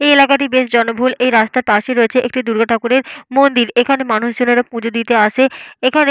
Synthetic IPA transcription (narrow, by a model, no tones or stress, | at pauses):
eelakaʈibeʃd͡ʑɔnobʱulejɾast̪aɾpaʃeɾoet͡ɕʰeʔḛk̚ʈid̪uɾɡʱaʈʰakuɾeɾmond̪iɾekʰanemanuʃd͡ʑoneɾapũd͡ʑʱod̪it̪eaʃeekʰane